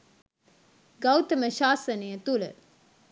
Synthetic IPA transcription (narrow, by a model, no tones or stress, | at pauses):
ɡawt̪əməʃaːsənejət̪ulə̰